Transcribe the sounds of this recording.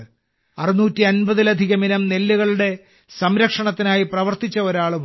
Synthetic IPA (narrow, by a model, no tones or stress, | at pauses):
ɐrinuːtːiɐnbɐðilɐd̪ʱiɣɐminɐmne̞lːuɣɐɭuɽe̞ | sɐmɾɐkʂɐɳɐt̪ːinaːjiprɐʋɐrt̪it͡ɕːɐo̞ɾaːɭum